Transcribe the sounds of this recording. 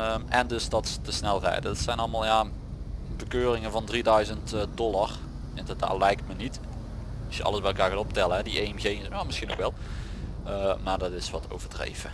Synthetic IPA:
əmɛndɵsdɑttəsnɛlˠrɛ̰jdədɑtsɛjnɑlˠəmaːlˠja | bəkøːrɪŋəvɑndridœɥzəntdɔlar | ɪndəda̰ːtlɛjk̚tmənit | ɑsjəɑ̰ləzbɛjɛlˠkaːɹkaːtop̚tɛləɦɛdiʔemɣejaːmɪsxino̰kʋɛlˠ | əmaːɹdɑtɪsʋɑtʰo̰wvəɹdrḛjvə

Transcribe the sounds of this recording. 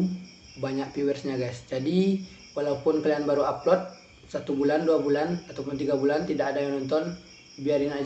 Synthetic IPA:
baɲak̚piwɛrsɲaɡasd͡ʒadi | walaupʊnkəlianbaɾuaplɔt̪̚ | sat̪ubulanduabulanat̪awpʊnt̪iɡabulant̪idakadajaŋnɔnt̪ɔn | biaɾina

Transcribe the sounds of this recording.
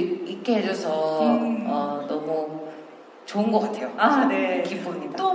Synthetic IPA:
ik͈eɦed͡ʑʌsʰʌ | ʌnʌmu | t͡ɕoɯnɡʌk͈atʰe̞joane̞kʰipomɲidat͈o

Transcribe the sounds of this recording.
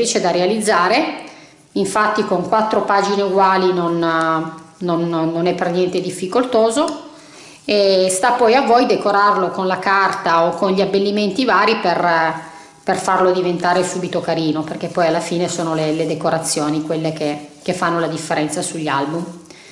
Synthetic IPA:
it͡ʃed̪arealid̪zːaːɾe | iɱfat̪ːikoŋkwat̪ːɾopaːd͡ʒineuɡwaːlinonː | onːonɛpːernjɛnt̪ed̪ifːikolt̪oːzo | est̪apːɔjavːɔjd̪ekoɾarlokonlakart̪aokːonʎiabːelːiment̪ivaːɾiper | perfarlod̪ivent̪aːɾesuːbit̪okaɾiːnoperk̟epːɔjalːafiːnesoːnoleled̪ekoɾat̪sːjoːnikwelːekek̟efːanːolad̪ifːeɾɛnt̪sasuʎːa̰lbum

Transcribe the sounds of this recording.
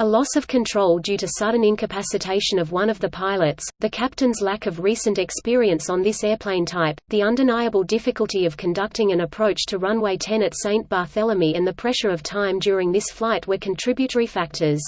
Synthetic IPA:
əlɔsʌv̥kʰɨ̃ntʰɹ̥oʊlˠdjʉɾɨsʌdⁿn̩ɪ̃nkʰɨpʰæsɨtʰeɪʃɨ̃nʌvwʌ̃ñʌvðɨpʰaɪlˠəɨtsðɨkʰæp̚tɨ̃nzlækʌvɹisɨ̃ntɨkspɪɹiɨ̃nsn̩ðɪsɛɹpʰl̥ẽɪ̃ntʰaɪp̚ðiʌ̃ndɨnaɪɨbəl̩ˠdɪfɨkəl̩ˠtiʌv̥kʰɨ̃ndʌk̚tɪ̃ŋɨ̃nɨpʰɹ̥oʊt͡ʃtʰɨɹʌ̃nweɪtʰɛ̃nɨtsẽɪ̃nb̥ɑɹθɛlˠəmiɨ̃nðɨpʰɹ̥ɛʃə˞ʌv̥tʰãɪ̃mdjʊɹɪ̃ŋðɪsflaɪt̚wə˞kʰɨ̃n̩tʰɹ̥ɪbjɨɾə˞ifæk̚tʰə˞z̥

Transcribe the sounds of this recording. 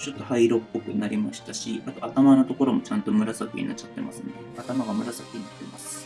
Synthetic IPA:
t͡ɕo̞t̪ːohaiɾo̞pːo̞kɯ̟naɾʲimaɕi̥t̪aɕiat̪o̞at̪amanot̪o̞ko̞ɾo̞mo̞t͡ɕãnt̪o̞mɯ̟ɾasak̪ʲḛɲ̟inat͡ɕat̪ːe̞̰mʔa̰sɨnd̪eat̪amaɡamɯ̟ɾasak̪ʲːeɲinat̪ːeimasɨ̥

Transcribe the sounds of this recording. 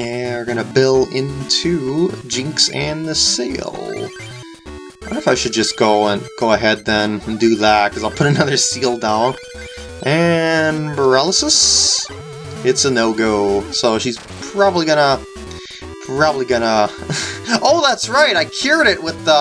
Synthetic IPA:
wə˞ɡʌñɨbɪlˠɪ̃ntʰʉd͡ʒɪ̃ŋksɨ̃nðɨsḭlˠ | faɪʃɨd̚d͡ʒʌsɡ̥oʊə̃nɡ̥oʊəɦɛd̪̚ðɨ̃nn̩dɨðæt̚kʰʌzaɪlˠpʰʊɾɨnʌðə˞silˠdãʊ̃n | ʔɨ̃nbə˞ɛlˠəsəs | ɨtsənoʊɡoʊsoʊʃiz̥ | pʰɹ̥ɑbəbliɡʌñə | pʰɹ̥ɑbəbliɡʌnə | oʊðætsɹaɪɾaɪkʰj̥ʊɹɾɪʔ̚wɪð

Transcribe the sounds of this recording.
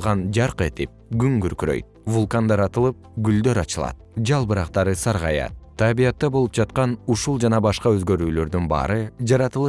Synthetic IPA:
ʁɑnd͡ʒɑɾqet̪ip̚ɡyŋɡyɾkyɾø̰jt̪̚vulˠkand̪ɑɾɑt̪ɯlˠɯp̚ɡyld̪øɾɑt͡ʃɯlˠɑ̰t̪̚d͡ʒɑlˠbɯɾɑqt̪ɑɾɯsɑɾʁɑjɑ̰t̪t̪ʰːabijɑt̪ːɑbo̞lˠup̚d͡ʒɑt̪̚qɑnuʃulˠd͡ʒɑnɑbɑʃqɑøzɡø̞ɾyːlø̞ɾd̪ynbɑ̰ːɾɯd͡ʒɑɾɑt̪ɯlˠɯ

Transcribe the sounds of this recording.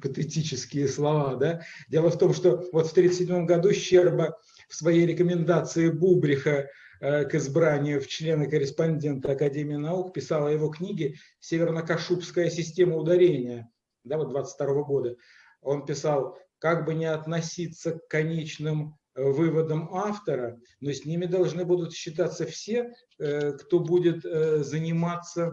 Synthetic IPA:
pət̪ɨtʲit͡ɕɪskʲɪjɪslˠɐvad̪adʲe̞lˠəft̪o̞mʂt̪o̞vo̞t̪ft̪ɾʲit̪sɨ̥tʲsʲɪdʲmo̞mɡɐd̪uɕːerbə | fsvɐjejɾʲɪkəmʲɪnd̪at̪sɨɪbubɾʲɪxə | kɪzbɾanʲɪjʊft͡ɕlʲe̞nəkəɾʲɪspɐnʲdʲe̞nt̪əɐkɐdʲemʲɪɪnɐukpʲɪsɑlˠəjɪvo̞knʲiɡʲɪ | sʲevʲɪrnəkɐʂupskəjəsʲɪsʲtʲe̞məʊd̪ɐɾʲenʲɪjə | d̪avod̪̚d̪vat̪sə̥tʲt̪ɐɾo̞vəɡo̞d̪ə | o̞npʲɪsalˠ | kaɡbɨnʲɪɐt̪nɐsʲit̪sːəkːɐnʲet͡ɕnɨm | vɨvəd̪əmaft̪əɾə | nosʲnʲimʲɪd̪ɐlˠʐnɨbud̪ʊt̪ɕːɪt̪at̪sːəfsʲe̞ | kt̪o̞budʲɪt̪zənʲɪmat̪sːə

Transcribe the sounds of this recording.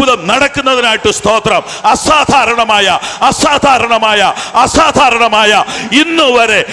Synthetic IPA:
uðɐmnɐɽɐkːunːɐðinaːjiʈːɨst̪ʰo̞ːt̪rɐm | ɐsaːd̪ʱaːɾɐɳɐmaːjɐɐsaːd̪ʱaːɾɐɳɐmaːjɐɐsaːd̪ʱaːɾɐɳɐmaːjɐinːuʋɐɾe

